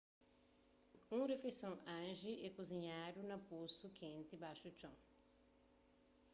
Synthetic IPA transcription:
ũŋɾefesõŋɐ̃nʒiʔɛkuziɲaɾunɐposukʰẽnt̪ibaʃut͡ʃõŋ

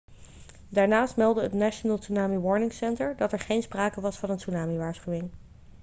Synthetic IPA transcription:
daːɹnaːstmɛlˠdəɦətnaʃənəlˠsunaːmiʋɔɹnɪŋsɛntəɹdɑtɛɹχejnspraːkəʋɑsfɑnənsunaːmiʋaːɹsχywɪŋ

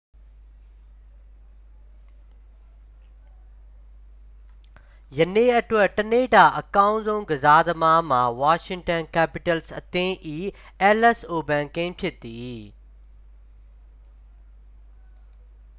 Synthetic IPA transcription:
jɐnẽɐʈʋəʈɐneːʈaːʔɐkãːʊ̃nzõːɡɐzaːd̪əmamãːʋaːʃɪ̃ŋɡʈənkɛːpɪʈəlsɐ̰t̪ẽʔiː | ɛːlɛsoːbɛ̃ːŋkẽʈʰɪt̪iː

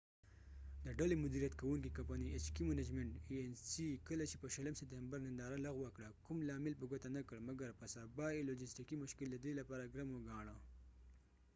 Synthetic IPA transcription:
d̪əɖalemʊd̪iɾijat̪kawuŋkikampaniet͡ʃkimanad͡ʒmeɳʈiensikəlat͡ʃepəʃaləmsep̚t̪embaɾnɪnd̪ɑːɾalaɣwakɽakʊmlɑmɪlpəɡot̪anakəɽmaɡaɾpəsabɑelod͡ʒɪsʈikimʊʃkɪld̪ad̪elapɑɾaɡɾamoɡɑɳ̃a

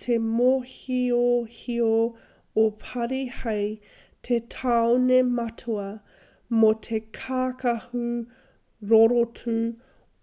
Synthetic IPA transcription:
tʰemohiohio | opʰɐɾihɐj | tʰetʰaonemɐtʰuɐ | motʰekʰaːkɐhu | ɾoɾotʰu

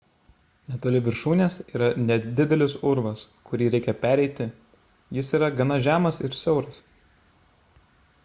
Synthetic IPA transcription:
nʲɛt̪oːlʲɪʋʲɪɾʃuːnʲeːsiːɾɐnʲɛd̪ʲɪd̪ʲɛlʲɪsʊɾʋɐskʊɾʲiːɾʲɛɪkʲɛpʲæːɾʲɛɪt̪ʲɪ | jɪsiːɾɐɡɐnɐʒʲæːmɐsɪɾsʲɛʊɾɐs

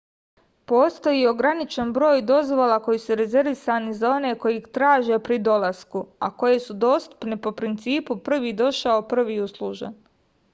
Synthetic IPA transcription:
po̞ːst̪o̞jio̞ɡɾanit͡ʃenbɾo̞ːjd̪o̞zʋo̞lˠako̞jisuɾe̞ze̞ɾʋisanizao̞ne̞ko̞jit̪ɾaːʒepɾid̪o̞laskua̰ko̞je̞sud̪o̞ːst̪u̥pnepo̞pɾint̪siːpupr̩ʋiːd̪o̞ʃaopr̩ʋiːuslˠuʒḛn

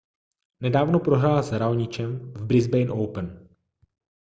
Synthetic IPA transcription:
nɛdaːvnopɾoɦɾaːlazɾawɲɪt͡ʃɛmvbɾɪzbɛjnʔowpən

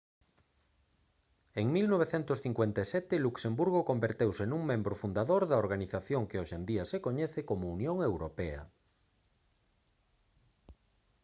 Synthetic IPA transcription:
eŋmilnoβ̞eθɛnt̪osθiŋkwent̪asɛt̪ɪluksembuɾɣokombeɾt̪ewsenuŋmẽmbɾofund̪aðoɾðɐoɾɣaniθaθjoŋkeoʃend̪iasekoɲɛθekomounjoŋewɾopɛɐ̰

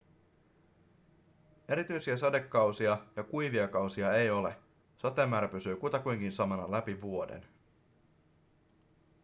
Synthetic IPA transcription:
e̞ɾit̪yjsiæsɑde̞kːɑwsiɑjɑkujʋiɑkɑwsiɑe̞jo̞le̞ | sɑt̪ːˑemːæːɾæpysyːkut̪ɑkujŋkinsɑmɑnɑ̰læpiʋuo̞dḛn

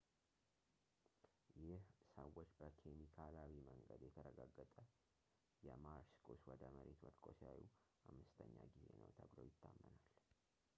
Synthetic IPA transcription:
jɪhsəwːot͡ʃːbəkʰemikʰalaβiməŋɡəd̪jɛt̪ʰəɾəɡaɡːət̪ʼə | jɛmaɾskʰoswɔd̪əməɾet̪wət̪kʼosajuʔamːɨst̪ʰəɲːaɡize̞nə̰wt̪ʰəβlowjɪt̪ʰːamːənal

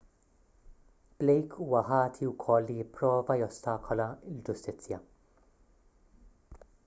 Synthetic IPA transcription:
b̥lɛjkʰuːɐħɐːt̪ʰiwkʰɔlːijɪpːɾɔːvɐjɔst̪ɐːkʰɔlɐɪld͡ʒʊst̪ɪt͡sːjɐ

